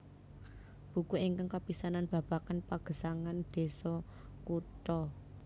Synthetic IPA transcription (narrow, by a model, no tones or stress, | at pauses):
b̥ṳkuiŋkaŋkapisananb̥a̤b̥a̤kanpaɡ̥ə̤saŋand̪̥e̤sɔkut̪ɔ